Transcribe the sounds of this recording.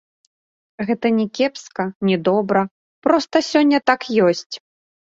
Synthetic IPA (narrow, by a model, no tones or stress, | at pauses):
ɣɛt̪ɐnʲɛkʲɛpskɐnʲɛd̪ɔbɾɐ | pɾɔst̪ɐsʲɔnʲːɐt̪akjɔsʲt͡sʲ